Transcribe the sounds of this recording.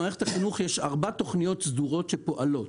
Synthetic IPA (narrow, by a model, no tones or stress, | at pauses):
aʁeχet̪aχinuχjeʃaʁbat̪o̞χnijo̞t̪sd̪uʁo̞tʃepo̞ʔalo̞t